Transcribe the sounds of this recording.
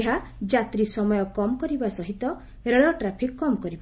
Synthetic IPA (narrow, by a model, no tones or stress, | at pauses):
eɦad͡ʒat̪ɾisɔmɔjɔkɔmɔkɔɾibasɔɦit̪ɔ | ɾelɔʈɾapʰikːɔmɔkɔɾiba